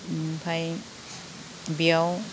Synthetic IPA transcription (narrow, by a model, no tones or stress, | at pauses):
pʰaj | bijaw